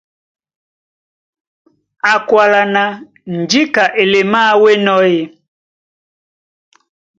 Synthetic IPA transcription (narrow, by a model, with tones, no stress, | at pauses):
a˨kwa˨la˨na˨ | n̩˨d͡ʒi˦ka˨ʔe˨le˨ma˦we˦nɔ˦je˨